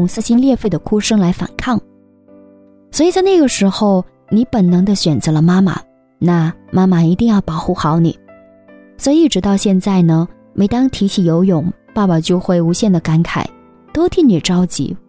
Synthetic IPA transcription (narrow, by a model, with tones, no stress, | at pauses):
ʊ˨˩ŋsɹ̩˥˧ɕi˥nljɛ˥˧fe˥˩ɪd̪ə˩kʰu˥ʂɤ˥ŋla˧˥ɪfa̰˨˩nkʰɑ˥˩ŋ | swɔ˧˥i˨˩t͡sa˥˧ɪna˥˩ɡə˩ʂɻ̩˧˥xo˥˧ʊ | ni˧˥pə˨˩nnɤ˧˥ŋd̪ə˧ɕɥɛ˨˩nt͡sɤ˧˥lə˧ma˥ma̰˨ | na˥˩ma˥ma˨i˧˥t̪i˥˧ŋjɑ˥˩ʊpɑ˨˩ʊxu˥˩xɑ˧˥ʊnḭ˨˩˦ | swɔ˧˥i˨i˧˥ʈ͡ʂɻ̩˧˥t̪ɑ˥˧ʊɕjɛ˥˧nt͡sa˥˩ɪnə˩ | me˧˥ɪt̪ɑ˥ŋt̪ʰi˧˥t͡ɕʰi˨˩jo˧˥ʊjʊ˨˩˦ŋpa˥˩pa˨˩t͡ɕjo˥˧ʊxwe˥˩ɪu˧˥ɕjɛ˥˩nd̪ə˩ka˥nkʰa̰˨˩˦ɪ | t̪o˥ʊt̪ʰi˥˩ŋni˨˩ʈ͡ʂɑ˥ʊt͡ɕḭ˧˥